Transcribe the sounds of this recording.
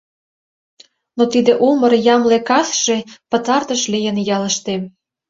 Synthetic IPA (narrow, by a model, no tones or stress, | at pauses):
not̪id̪ĕʔuməɾjɑmlekɑsʃepə̆t̪ɑrt̪ə̆ʃlijə̆njɑlə̆ʃt̪em